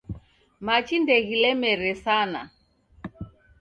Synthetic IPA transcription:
mat͡ʃindɛɣilɛmɛɾɛsana̰

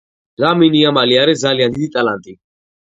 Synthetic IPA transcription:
zaminiamaliaɾɛzalijand̪id̪it̪ʼalant̪ʼi

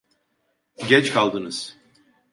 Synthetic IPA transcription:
ɟɛt͡ʃkʰalˠd̪ɯnɯz̥

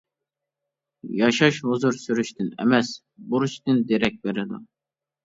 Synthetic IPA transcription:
jɑʃɑʃhuzuɾsyɾyʃt̪ʰynɛ̰mɛs | buɾut͡ʃt̪ɨnd̪eɾɛk̚ʲbeɾɪd̪ṵ

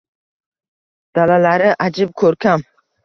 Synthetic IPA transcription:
d̪̥alalaɾɪʔad͡ʒɪb̚kʰɵɾkʲʰam

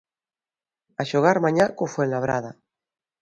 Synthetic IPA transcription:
aʃoɣaɾmãɲakofwenlaβɾa̰ða

